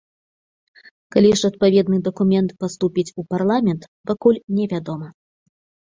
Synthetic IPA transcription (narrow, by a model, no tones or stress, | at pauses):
kalʲiʂɐt̪̚pavʲɛd̪nɨd̪ɐkumʲɛnt̪past̪upʲit͡sʲuparlˠamʲɛnt̪ | pakulʲnʲɛvʲad̪ɔmɐ